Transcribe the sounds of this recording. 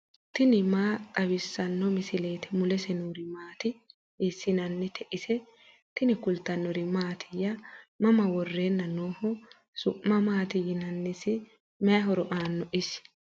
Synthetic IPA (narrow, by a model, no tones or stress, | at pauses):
t̪ɪnɪmaːt̪ʼɐβɪsːɐnːɔmɪsɪle̞ːt̪ɛmʊlɛsɛnuːɾɪmaːt̪ɪ | ɪsːɪnɐnːɛt̪ʰɛʔɪsɛ | t̪ɪnɪkʊlt̪ɐnːɔɾɪmaːt̪ʰɪjɐmɐmɐwɔrːeːnːɐnoːhɔ | sʊʔːɐmaːt̪ɪjɪnɐnːɪsɪ | mɛɦɔɾɔʔaːnːɔʔɪs